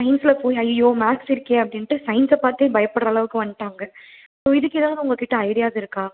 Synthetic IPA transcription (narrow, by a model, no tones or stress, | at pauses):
sɐɪnsɪlɐpoːjɐjɐjoːmaːksɪɾɯkːẽːɐpːɐɽɪnʈːɯsɐɪnsɐpaːɾt̪eːbɐjɐpːɐɽɾɐɐlɐʋɯkːɯʋɐɳɖɪʈːaːŋɡɐ | soːɪðɯkːeðãːnʊŋɡɐkɪʈːɐɐɪɽɪjaːðɪɾɯkːaː